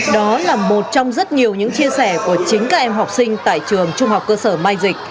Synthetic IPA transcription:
ɗɔ˨˦laː˨˩mo˨˩t̚t͡ɕɔ˧wŋ͡mzə˦˥t̚ɲi˨˩əwɲɨ̰˧˥ŋt͡ɕi˧əsɛ˧˩ku˧˩ət͡ɕï˨˦ŋ̟kaː˦˥k̚ʔɛ˧mɦa˨˩wk͡p̚sï˧ŋ̟t̪a̰ː˧˨jt͡ɕɨ˨˩əŋt͡ɕʊ˧ŋ͡mɦa˨˩wk͡p̚kːəː˧səː˧˩maː˧jzï˨˩k̟̚

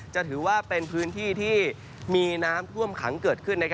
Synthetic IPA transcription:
t͡ɕa˨˩t̪ʰɯː˩˦waː˥˩pe˧npʰɯː˦˥nt̪ʰiː˥˩t̪ʰiː˥˩ | miː˧naː˦˥mt̪ʰu˥˩əmkʰa̰˩˦ŋkɤː˨˩t̪̚kʰɯ˥˩nːa˦˥kʰ

